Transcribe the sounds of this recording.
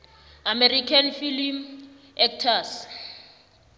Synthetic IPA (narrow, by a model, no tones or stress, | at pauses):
amɛrikʰanfilim | ɛk̚tʰas